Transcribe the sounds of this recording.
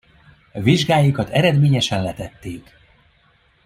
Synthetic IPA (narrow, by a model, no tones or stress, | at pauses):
viʒɡaːjikɒt̪ɛɾɛd̪meːɲɛʃɛnlɛt̪ɛt̪ːeːk